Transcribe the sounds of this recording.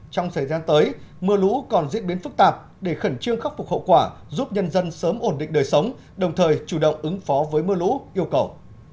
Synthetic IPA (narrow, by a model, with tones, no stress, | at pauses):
t͡ɕɔ˧wŋ͡msʰəː˧˩jzaː˧nt̪əː˨˦jmɨ˧əlṵ˧˥kɔ˨˩nzḭ˧˥n̚ɓi˨˦ənfɨ˦˥k̚t̪aː˨˩p̚ | ɗe˧˩xə˧˩nt͡ɕɨ˧əŋxa˦˥k̚fʊ˨˩k͡p̚hə̰˧˨wkwaː˧˩ | zuː˦˥p̚ɲə˧nzə˧nsəː˨˦mʔo˧˩nɗḭ˧˨ŋ̟ɗəː˨˩jsə˨˦wŋ͡m | ɗə˨˩wŋ͡mt̪ʰəː˨˩jt͡ɕu˧˩ɗə̰˧˨wŋ͡mʔɨ˨˦ŋfɔ˨˦vəː˨˦jmɨ˧əlṵ˧˥ʔi˧əwkə˨˩w